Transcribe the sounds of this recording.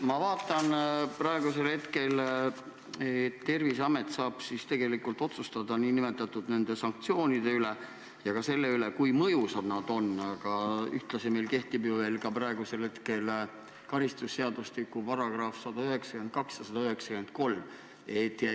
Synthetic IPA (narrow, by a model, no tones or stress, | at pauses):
mɑvɑːt̪ːˑɑnprɑe̞ɡuse̞lhe̞t̪ke̞l | et̪ːe̞rvisɑme̞t̪ˑsɑːb̥sist̪e̞ɡ̥e̞likːˑult̪o̞t̪sust̪ɑd̪ɑniːnime̞t̪ːˑɑt̪ːˑud̪ne̞nd̪̥e̞sɑŋk̚t̪sio̞ːnid̪̥e̞yle̞ | jɑkɑse̞lːe̞yle̞kujmɤjusɑd̪nɑd̪̥o̞nːɑɡ̥ɑyht̪lɑseme̞jlke̞ht̪ibjuve̞ːlkɑprɑeɡ̥use̞lhe̞t̪ke̞l | kɑɾist̪usːe̞ɑd̪ust̪ikːˑupɑɾɑɡ̥rɑfsɑd̪ɑøɦe̞ksɑ̥kynd̪̚kɑksjɑsɑd̪̥ɑøɦe̞ksɑ̥kyend̪̥̚ko̞lm | et̪ːiæ